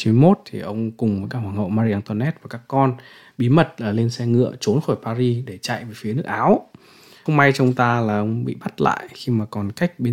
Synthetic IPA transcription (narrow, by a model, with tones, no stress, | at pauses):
t͡ɕi˨˦m˧˦jmo˦˥t̚t̪ʰi˨˩ʔə˧wŋ͡mkʊ˨˩ŋ͡mə˨˦jkaː˦khwaː˧˩ŋhɦə̰˧˨wmaː˧ɾi˧ʔaː˧nt̪ɔ˧nɛ˦˥t̚va˨˩kaː˦˥kːɔ˧n | ɓi˨˦mə˨˩t̚ləː˨˩le˧nsɛ˧ŋɨ̰˧˨ət͡ɕo˨˦nxɔ˧˩jpaː˧ɾi˧ɗe˧˩t͡ɕa̰˧˨jve˨˩fi˨˦nɨ˦˥ək̚ʔaː˨˦w | ə˧wŋ͡mma˧jt͡ɕɔ˧ŋ͡mt̪aː˧laː˨˩ʔə˧wŋ͡mɓḭ˧˨ɓa˦˥t̚la̰ː˧˨jxi˧maː˨˩kɔ˨˩nka˦˥jk̚ɓe˧˦